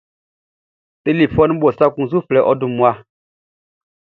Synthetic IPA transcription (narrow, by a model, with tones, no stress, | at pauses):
te˦li˨pfɔ˦n˦ɓɔ˨sa˦kũ˦˨zu˦flɛ˨˦ʔɔ˦du˦˨mu˨˦a˦